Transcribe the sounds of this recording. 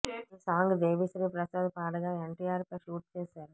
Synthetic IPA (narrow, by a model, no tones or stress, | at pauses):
usaːŋɡd̪eːʋisɐɾipɾɐsaːd̪ɐpaːɽɐɣaːɛɳʈiːaːɾpɐʃuːʈt͡ʃeːsaːɾ